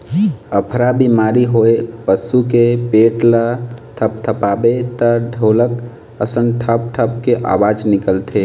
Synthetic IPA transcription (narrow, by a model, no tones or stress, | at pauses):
əpʰɾabimaːɾiɦoːepəsukepeːʈlət̪ʰəpt̪ʰəpaːbet̪əɖʱoːlək | əsənʈʰəp̚ʈʰəp̚keʔa̰ːwaːd͡ʒnɪkəlt̪ʰe